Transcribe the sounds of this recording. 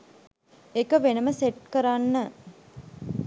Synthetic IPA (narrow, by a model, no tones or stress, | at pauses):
ekəʋenəməseʈ̚kəɾanːə